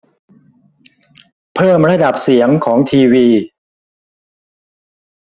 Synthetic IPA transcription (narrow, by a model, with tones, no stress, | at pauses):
pʰɤː˥˩mɾa˧da˨˩p̚si˩˦əŋkʰɔː˩˦ŋt̪ʰiː˧wiː˧